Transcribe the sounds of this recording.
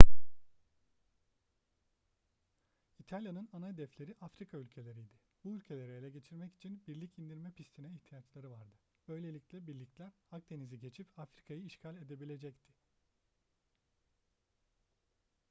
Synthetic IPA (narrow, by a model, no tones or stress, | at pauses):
it̪ʰalʲjanɯnanajd̪ɛflʲe̞ɾiʔafɾikʰaylʲcʰe̞lʲe̞ɾijd̪ɪ | buylʲcʰe̞lʲe̞ɾɛelʲɛɟe̞t͡ʃʰiɾmɛci̥t͡ʃʰinbiɾlʲicʰind̪iɾmɛpʰist̪ʰinɛiçt̪ʰijat͡ʃlˠaɾɯvaɾd̪ɯ | ø̞jlʲe̞lʲiclʲɛbiɾlʲiclʲæɾhak̚d̪e̞niziɟe̞t͡ʃʰipafɾikʰajɯːʃcʰalʲe̞d̪e̞bilʲe̞d͡ʒɛct̪ʰɪ̥